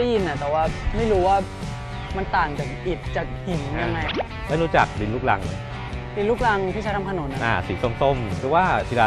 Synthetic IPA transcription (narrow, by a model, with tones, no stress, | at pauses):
a˥˩ji˧nːa˨˩t̪ɛː˨˩waː˥˩ma˥˩jɾuː˦˥waː˥˩ | ma˧nt̪aː˨˩ŋt͡ɕa˨˩ʔi˨˩t̪̚t͡ɕa˨˩k̚hi˨˩nja˧ŋːa˧j | ʔa˧nu˦˥t͡ɕa̰˨˩k̚di˧nluː˥˩k̚la̰˧ŋː˧˩ | di˧nluː˥˩k̚la˧ŋt̪ʰiː˥˩a˦˥t̪ʰa˧mtʰa˧no˨˩˦nːʔa˨ʔaː˧˩si˨˩˦ŋso˨˧˩ŋso˧˩mkɯː˧˦waː˥˩p̪ʰi˧laː˧